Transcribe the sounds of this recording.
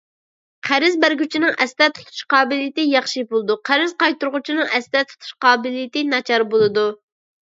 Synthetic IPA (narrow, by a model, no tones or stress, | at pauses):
qʰæɾɪzbæɾɡʲyt͡ʃʰinɪŋɛst̪ɛt̪ʰu̥t̪ʰu̥ʃqɑːbɪlɪjɪt̪ɪjɑχʃibolˠɨd̪uqʰæɾɪzqɑjt̪uɾʁʊt͡ʃʰinɨŋɛst̪ɛt̪ʰu̥t̪ʰu̥ʃqɑːbɪlɪjɪt̪ɪnɑt͡ʃʰɑɾbolˠɨd̪u